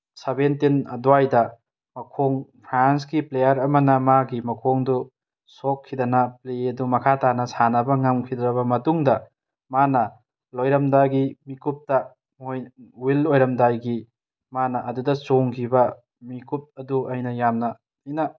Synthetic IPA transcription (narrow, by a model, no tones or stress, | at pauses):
sɐbentinɐ̰duajdɐ | mɐkʰoŋpʰɾansɡiplejɐɾɐmɐnɐmaɡimɐkʰoŋdu | sokʰːidɐnɐpleɐdumɐkʰatanɐsanɐbɐŋɐmkʰidɾɐbɐmɐtuŋdɐ | manɐ | lojɾɐmdaɡimikup̚tɐ | mojwilojɾɐmdajɡi | manɐʔɐdudɐt͡ʃoŋkʰibɐ | mikup̚ɐduʔɐjnɐjamnɐ | ɐjnɐ